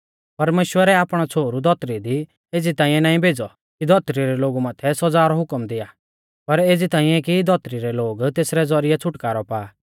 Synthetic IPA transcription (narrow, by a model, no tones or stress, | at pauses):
pɐɾmeːʃwəɾɛaːpɽ̃ɔt͡sʰoːɾud̪ʱɔt̪ɾid̪i | eːd͡zit̪aːĩjɛnaːĩbʱeːd͡zɔ | kid̪ʱɔt̪ɾiɾɛloːɡumãːt̪ʰɛsɔd͡zaːɾɔɦʊkəmd̪ɪja | pɐɾeːd͡zit̪ãːĩjɛkid̪ʱɔt̪ɾiɾɛloːɡt̪eːsɾɛd͡zɔɾɪjɛt͡sʰʊʈkaːɾɔpaː